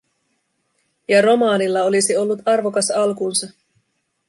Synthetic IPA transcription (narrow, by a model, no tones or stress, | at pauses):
jɑro̞mɑːnilːɑo̞lisio̞lːut̪ɑrʋo̞kɑsɑlkuːnsɑ